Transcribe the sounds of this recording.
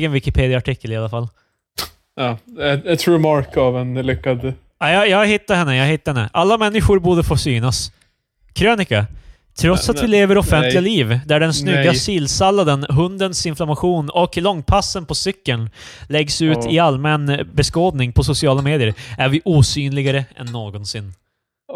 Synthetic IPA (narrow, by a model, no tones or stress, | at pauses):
ɡənvɪkɪpʰeːd̪ɪaʈʰɪkʰːəlɪalːafalː | ɑːɛt̪ɾɛmɑɾkavɛnlʏkːad̪ | ajɑjɑːhɪt̪ːahɛnːəjɑːɦɪt̪ːaɾɛnːəʔalːamɛnːɪɧʊɾbuːɖəfoːsyːnas | kʰɾøːnɪka | t̪ʰɾɔt̪sat̪vɪleːvəɾɔfɛnt̪lɪɡaliːvd̪æɖɛnsnʏɡːasiːlsalːad̪ənɦɵnd̪ənsɪnflamaɧuːnɔklɔŋːpʰasːənpʰɔsʏkːəɳ | lɛɡsʉ̟ːɪalmɛnbɛskoːd̪nɪŋpʰɔsʊsɪɑːlameːd̪ɪəɾæɾvɪʔuːsyːnlɪɡaɾəɛ̰nːoːɡɔnsɪnː